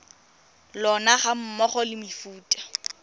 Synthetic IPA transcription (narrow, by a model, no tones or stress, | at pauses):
lɔnaχam̩mɔχɔlɪmɪfuːtʼḁ